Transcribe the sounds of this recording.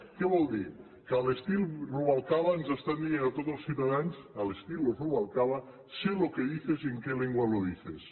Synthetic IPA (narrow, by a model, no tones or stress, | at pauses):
keβɔlˠd̪i | kəːlest̪ilˠruβalˠkalanzast̪and̪ienat̪ot̪zəlˠsiwt̪aðanzəlest̪ilruβalˠkala | selokeðiθezeŋkeleŋɡwaloðiθes